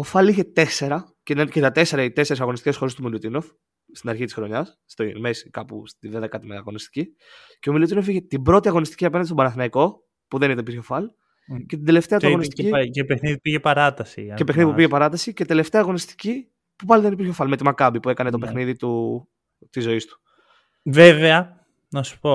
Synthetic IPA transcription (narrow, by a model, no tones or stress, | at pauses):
ofɐliçe̞t̪e̞se̞ɾɐ | cenɐncet̪ɐt̪e̞se̞ɾɐit̪e̞se̞ɾesɐɣo̞nist̪ice̞sxo̞ɾest̪umilut̪ino̞f | st̪inɐɾçit̪isxɾo̞ɲɐsːt̪oimesi̥kɐpṵst̪iðeðekɐt̪imeɐɣo̞nist̪i̥ci | ceomilut̪ino̞fiçe̞t̪ibɾo̞t̪iɐɣo̞nist̪i̥ciɐpe̞nɐnd̪est̪bɐnɐθinɐiko̞ | puðenit̪eipiɾçofɐl | ce̞t̪ind̪e̞le̞ft̪eɐt̪ooisiiepexniðipiʝepɐɾɐt̪ɐsḭɐepexniðipupiʝepɐɾɐt̪ɐsiceid̪e̞le̞ft̪eɐɣo̞nist̪i̥ci | pupɐliðe̞nipiɾçofɐlme̞t̪imɐkɐbipuekɐne̞t̪o̞pe̞xniðit̪u | t̪izo̞ist̪u̥ | ve̞veɐ | nɐsu̥po̞